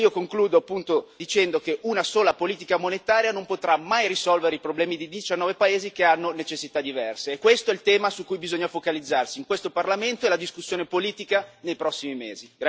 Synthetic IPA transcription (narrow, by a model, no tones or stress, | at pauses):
iokoŋkluːd̪oapːunt̪od̪it͡ʃɛnd̪ok̟eʔunasoːlapoliːt̪ikamonet̪aːɾjanompot̪ɾamajrisɔlveɾeipɾoblɛːmid̪id̪it͡ʃanːɔːvepaeːzikeanːonet͡ʃesːit̪ad̪ivɛrseːkːwest̪oɛlt̪ɛːmasukːujbizoɲːafokalid̪zːarsiːŋkwest̪oparlament̪oɛlad̪iskusːjoːnepoliːt̪ikanejpɾɔsːimimeːziɡɾa